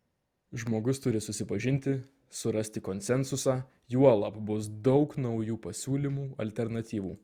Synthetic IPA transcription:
ʒmoːɡʊst̪ʊɾʲɪsʊsʲɪpɐʒʲɪnʲt̪ʲɪ | sʊɾɐsʲt̪ʲɪkonʲsʲɛnsʊsɑː | juɔlˠɐpbʊs̬d̪ɒʊknɒʊjuːpɐsʲuːlʲimuːɐlʲt̪ʲɛɾnɐt̪ʲiːʋuː

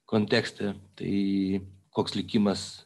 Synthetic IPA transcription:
konʲt̪ʲæːksʲt̪ʲɛt̪ɐ̰ɪ | koːkslʲɪkʲimɐs

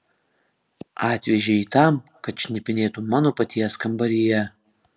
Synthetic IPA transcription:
ɑːt̪ʲʋʲɛʒʲeiːt̪ɑmkɐt̪ʃʲnʲɪpʲɪnʲeːt̪umɑːnoːpɐt̪ʲiɛskɐmbɐɾʲɪjɛ

